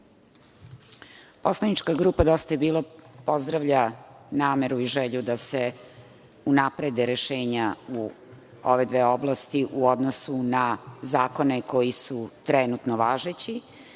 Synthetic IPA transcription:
po̞slˠanit͡ʃkaɡɾuːpad̪o̞st̪ajebiːlˠapo̞zd̪ɾaʋʎanaːme̞ɾuiʒeʎud̪ase | unapɾed̪eɾeʃeːɲau | o̰ʋe̞d̪ʋeːoblˠast̪iʔuod̪nosunazaːko̞neko̞jisut̪ɾɛnut̪noʋaːʒet͡ɕi

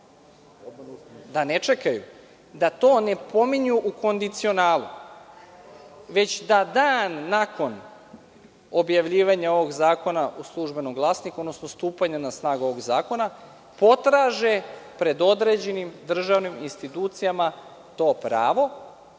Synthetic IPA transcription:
d̪ane̞t͡ʃe̞kajṵ | d̪at̪o̞ːne̞po̞miɲuʔuko̞nd̪it̪sio̞naːlˠu | ʋe̞t͡ɕd̪ad̪aːnːako̞n | o̞bjaʋʎiːʋaɲao̞ʋo̞ɡzaːko̞naʔuslˠuʒbe̞noɡvlˠaːsniko̞d̪no̞sno̞st̪uːpaɲanasnaːɡuoʋo̞ɡzaːko̞na | po̞t̪ɾaːʒe̞pɾe̞d̪o̞d̪ɾe̞d͡ʑe̞nimd̪r̩ʒaʋniminst̪it̪uːt̪sijama | t̪o̞ːpɾa̰ːʋo̞

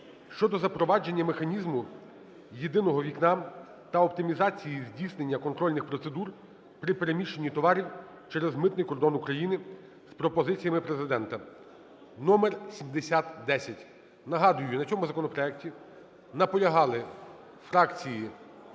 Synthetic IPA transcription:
ʃt͡ʃɔd̪ɔzɐpɾɔʋɑd͡ʒe̞nʲːɐmexɐnʲizmʊ | jed̪ɪnɔɦɔʋʲiknɑ | t̪ɐɔpt̪ɪmʲizɑt͡sʲijizʲdʲijsnenʲːɐkɔnt̪ɾɔlʲnɪxpɾɔt̪sed̪ur | pɾɪpeɾemʲiʃenʲːit̪ɔʋɑɾʲiw | t͡ʃɛɾɛzmɪt̪nɪjkɔrd̪ɔnʊkɾɐjinɪ | spɾɔpɔzɪt͡sʲijɐmɪpɾezɪd̪ɛnt̪ɐ | nɔmɛrsʲimd̪esʲat̪d̪ɛsʲɐtʲ | nɐɦɑd̪ʊjʊnɐt͡sʲɔmʊzɐkɔnɔpɾɔɛk̚tʲi | nɐpɔlʲɐɦɑlˠɪ | fɾɑkt͡sʲiji

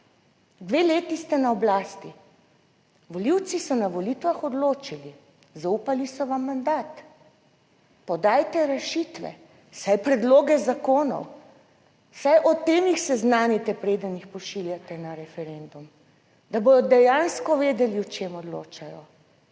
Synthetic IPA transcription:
d̪ʋeːleːt̪ist̪ɛnaɔblaːst̪i | ʋɔliwt̪sisɔnaʋɔlit̪ʋaxɔd̪loːt͡ʃili | zaupalisɔʋamːand̪aːt̪ | pɔd̪aːjt̪ɛɾɛʃit̪ʋɛ̰ | sajpɾɛd̪loːɡɛzakoːnɔ̰w | sajʔɔt̪ːeːmixsɛznaːnit̪ɛpɾeːd̪ənixpɔʃiljat̪ɛnaɾɛfɛɾend̪um | d̪aboːd̪ɔd̪ɛjaːnskɔʋeːd̪ɛliwt͡ʃeːmɔd̪loːt͡ʃajɔ

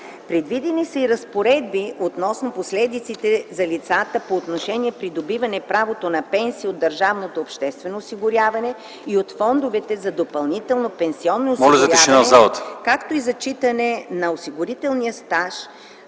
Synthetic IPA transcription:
pɾɛd̪vid̪ɛnisəiɾɐspoɾɛd̪̚biot̪nɔsnoposlɛd̪it̪sit̪ɛzɐlit̪sat̪əpoːt̪noʃɛniɛpɾid̪obivɐnɛpɾavot̪onɐpɛnsiːod̪ːɐɾʒavnot̪oːpʃt̪ɛst̪vɛnoːsiɡʊɾʲjavɐnɛ | iot̪fɔnd̪ovɛt̪ɛzɐd̪opɐlˠnit̪ɛlˠnopɛnsiɔnːoːmɔlʲɐzɐiaʃɛnazalˠɐt̪kakt̪oizɐt͡ʃit̪ɐnɛnɐosiɡʊɾit̪ɛlˠnijəst̪aʃ

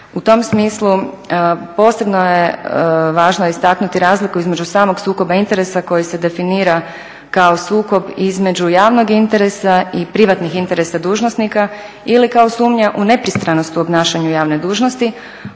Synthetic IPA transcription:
ut̪o̞msmiːslˠu | po̞ːsebnojeʋaːʒnoist̪aknut̪iɾaːzlikuizme̞d͡ʒusaːmo̞ɡsuːko̞baint̪e̞ɾe̞sako̞jise̞d̪e̞finiːɾa | kao̞suːko̞bizme̞d͡ʒujaːʋno̞ɡint̪e̞ɾe̞saipɾiʋat̪nixint̪e̞ɾe̞sad̪uːʒnosnika | ilikaosuːmɲaʔune̞pɾist̪ɾanost̪uobnaːʃaɲujaːʋned̪uːʒnost̪i

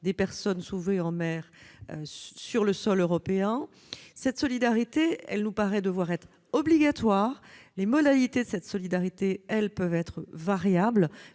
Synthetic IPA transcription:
d̪epɛʁsɔnsuvʁeɑ̃mɛːʁøsyʁləsɔløʁɔpeɛ̃ | sɛt̪sɔlid̪aʁit̪eɛ̰lnupaʁɛd̪əvwaʁɛt̪χ | ɔbliɡat̪waːʁlemɔd̪alit̪ed̪əsɛt̪sɔlid̪aʁit̪eɛlpœvɛt̪χəvaʁjabl

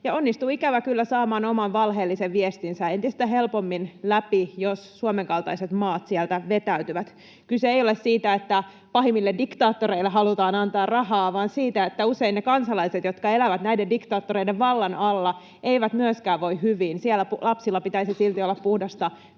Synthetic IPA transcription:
jɑonːist̪uikæʋækylːæsɑːmɑːnomɑnʋɑlɦeːlːiseʋʋiest̪insæent̪ist̪æɦelpomːinlæpijossuomeŋkɑlt̪ɑiset̪mɑːt̪siɛlt̪æʋet̪æyt̪yʋæt̪ | kyseejolessiːt̪æet̪ːæ | pɑɦimːilːeddikt̪ɑːt̪ːoɾeilːeɦɑlut̪ɑːnɑnt̪ɑːrrɑhɑːʋɑːnsiːt̪æet̪ːæuseinːnekɑnsɑlɑijset̪jot̪kɑelæʋæt̪næidendikt̪ɑːt̪ːoɾeideʋʋɑlːɑnɑlːɑ | eiʋæt̪myøskæːʋʋoihhyʋiːnsielːˑæpulɑpsilːɑpit̪æisisilt̪iolːɑppuhdɑst̪ɑ

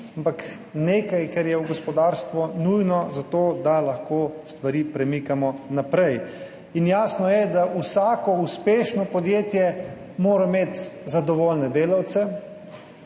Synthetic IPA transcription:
ampak | neːkajkɛɾjɛwɡɔspɔd̪aːɾst̪ʋɔnujnɔzat̪oːd̪alaxkoːst̪ʋaɾiːpɾɛmikamɔnapɾɛj | injaːsnɔjɛd̪aʔusaːkɔuspeːʃnɔpɔd̪jeːt̪jɛ | moːɾameːt̪zad̪ɔʋoːlnɛd̪eːlawt̪sɛ

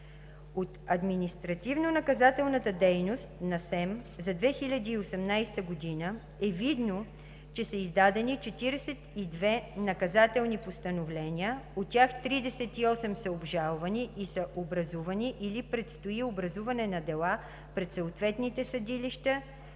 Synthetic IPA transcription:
ot̪ɐd̪minist̪ɾɐt̪ivnonɐkɐzat̪ɛlˠnət̪əd̪ɛjnost̪nɐsɛmzɐd̪vɛxilʲɐd̪iːosɛmnajst̪əɡod̪inə | ɛvid̪no | t͡ʃɛsəizd̪ad̪ɛnit͡ʃɛt̪iɾɛsɛt̪id̪vɛnɐkɐzat̪ɛlˠnipost̪ɐnovlɛnʲiəott̪ːʲjaxt̪ɾid̪ɛsɛt̪iɔsɛmsəobʒalˠvɐniisəʔobɾɐzuvɐniʔilipɾɛt̪st̪oiobɾɐzuvɐnɛnɐd̪ɛlˠa | pɾɛt̪səot̪vɛt̪nit̪ɛsɐd̪iliʃt̪ə

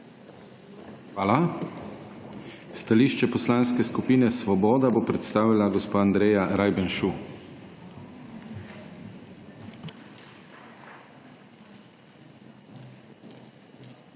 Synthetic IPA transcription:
xʋaːla | st̪aliːʃt͡ʃɛpɔslanskɛskupiːnɛsʋɔbɔːd̪abopɾɛt̪st̪aːʋilaɡɔspaːnd̪ɾeːjaɾajbɛnʃu

